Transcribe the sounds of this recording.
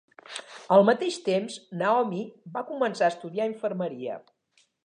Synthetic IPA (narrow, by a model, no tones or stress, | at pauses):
əlˠmət̪eʃt̪emznaɔmibakumənsaəst̪uðiaiɱfərməɾiə̰